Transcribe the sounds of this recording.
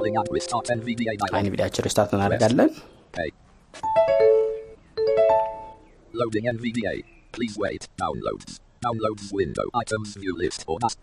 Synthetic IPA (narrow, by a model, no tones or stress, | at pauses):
ɔlɪ̃ŋãnɹɪ̥tʰɑˑtʰɛnviːdiːɪdaɪa̰jnvḭd̪ewat͡ʃːɪ̃ɾɪst̪aɾt̪ɨnːad̪əɡalːən | kʰeɪ | loʊdɪ̃ŋɛ̃nvidiḛɪ | pʰliːzwḛɪtd̥ã̰ʊ̃nlo̰ʊdɪn | dãʊ̃nloʊdnwɪ̃ndo̰ʊʔaɪtʰə̃ʊ̃nvjʉːlɪ̰stə̰na